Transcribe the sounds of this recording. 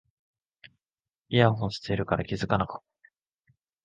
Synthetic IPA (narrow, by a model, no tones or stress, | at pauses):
iaɦõɰsɨ̥teɾɯ̟kaɾakʲizɨkanakɯ̥